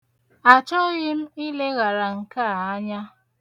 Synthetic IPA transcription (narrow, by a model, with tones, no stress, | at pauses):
a˨t͡ʃɔ˦ɣɪ˦m̩˦i˦le˦ɣa˨ɾa˨ŋ̩˨ka˦˨a˦ɲa˦